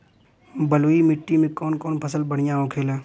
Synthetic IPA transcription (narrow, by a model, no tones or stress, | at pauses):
bəloːimɪʈːimẽkɔːnkɔːnpʰəsəlbəɽ̤ɪjãɦõkʰeːlɛː